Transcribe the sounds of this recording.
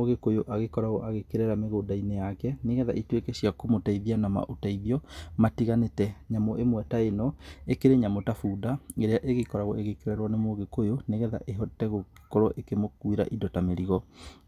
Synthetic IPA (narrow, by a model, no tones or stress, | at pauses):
oɣekojoʔaɣekɔɾaɣɔʔaɣekeɾɛɾameɣoːdainejakɛneɣɛða̰ʔitwekɛɕiakomotaiðianama̰ʔotaiðiɔmatiɣanetɛɲamoʔemwɛtaenɔekeɾeɲamotafuːdaeɾeaʔeɣekɔɾaɣɔeɣekeɾɛɾwɔnemoɣekojoneɣɛða̰ʔeɦɔtɛɣoki̥kɔɾɔʔekemokuiɾa̰ʔidɔtameɾiɣɔ